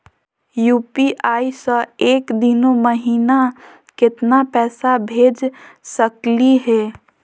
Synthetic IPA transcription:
juːpiʔaːisəeːkd̪ɪnoməɦiːna | kɪt̪napɛːsabʱeːd͡ʒsəkliɦɛː

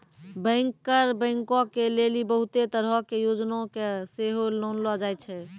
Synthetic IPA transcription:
bə̃ŋkːəɾbə̃ɪŋkɔ̃kelelibəɦut̪et̪əɾɦəkejod͡ʒnõkeseɦolonlɔd͡ʒajt͡ʃʰɛ

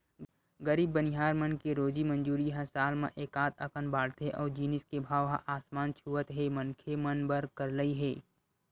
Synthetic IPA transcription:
ɡəɾiːbːənɪɦaːɾmɐnkeɾoːd͡ʒimɐ̃nd͡ʒuːɾiɦãsaːlmã̰ʔeːkaːt̪ʰɐkənbaːɽt̪ʰeʔɔːɾd͡ʒiːnɪskebʱaːʋɦãʔaːsmaːnt͡ʃʰuʋət̪ɦemɐnkʰemɐnbəɾkɐɾləiɦɛː

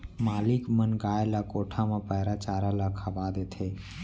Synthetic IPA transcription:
maːlikmənɡaːelakoːʈʰamepəɦɾat͡ʃaːɾalakʰəbad̪et̪ʰe

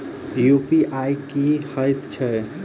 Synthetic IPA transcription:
jupiʔajkihəjt̪t͡ʃʰɛ

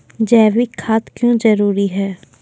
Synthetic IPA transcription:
d͡ʒɛːʋikʰːaːt̪kjõd͡ʒɐɾuːɾiɦɛː

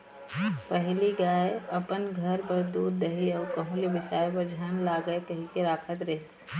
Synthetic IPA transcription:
pəɦliɡaːeɐpənɡʱɐɾbɐɾd̪uːd̪ːɐɦiɔːɾkɐɦũljəbɪsaːjpɐɾd͡ʒʱaːnlaːɡəekɐɦĩkeɾaːkʰət̪ɾeːs

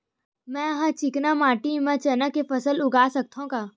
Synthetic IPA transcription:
mɛ̃ːɐɦãt͡ʃɪknamaːʈimãt͡ʃɐnakepɐsəlʊɡaːsɐk̚t̪ʰõkaː

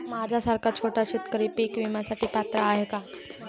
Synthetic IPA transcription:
mad͡ʑʱasaɾkat͡ɕʰoʈaɕit̪kəɾiːpiːkʋimjasaʈiːpat̪ɾəaɦeka

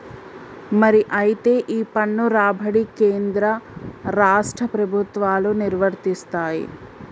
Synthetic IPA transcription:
mɐɾiʔɐjit̪e̞ːʔiːpɐɳːuɾaːbʱɐɽikeːnd̪ɾɐɾaːʂʈɾɐpɾɐbʱut̪ʋaːluniɾʋɐɾt̪ist̪aːjḭ

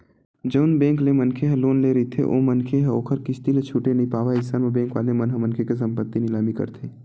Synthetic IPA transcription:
d͡ʒəʊnbɛ̃ːŋklemɐnkʰeɦɛ̃loːnleːɾəit̪ʰḛʔo̰mɐnkʰeɦɛ̃oːkʰəɾkɪt͡ʃʰt̪ilet͡ʃʰuːʈenɐɦĩpaːʋaɪd͡ʒsaːnmebɛ̃ːŋkʋaːlemɐnɦəmɐnkʰekes̬ɐ̃mpət̪ːinɪlaːmikɐ̰ɾt̪ʰeː

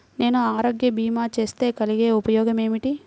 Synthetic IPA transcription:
ne̞ːnuaːɾoːɡjɐbiːmaːt͡ʃe̞ːst̪e̞ːkɐliɡe̞ːupɐjɔːɡɐme̞ːmiʈi

